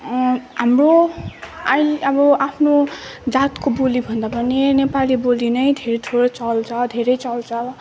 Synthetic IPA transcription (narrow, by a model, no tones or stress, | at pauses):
ɦamro | ajʌbʌapʰnod͡zat̪kobolibʱʌnd̪apʌnenepalibolinʌjd̪ʱeɾet̪ʰoɾʌt͡sʌlt͡sʰʌd̪ʱeɾʌjt͡sʌlt͡sʰʌ